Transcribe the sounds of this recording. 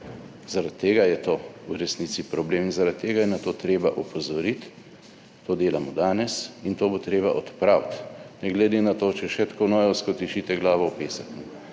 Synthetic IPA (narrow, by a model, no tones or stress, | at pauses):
z̥aɾat̪ːeːɡajɛt̪oːuɾɛsnit̪sipɾɔbleːminzaɾat̪ːeːɡajɛnat̪oːt̪ɾeːbaʔupɔzɔɾit̪ː | oːd̪eːlamɔd̪aːnɛsint̪oːbot̪ɾeːbaʔɔt̪pɾawt̪nɛɡlɛd̪enat̪oːt͡ʃɛʃɛt̪konɔːjɔskɔt̪iʃit̪ɛɡlaːʋɔwpeːsaknɛ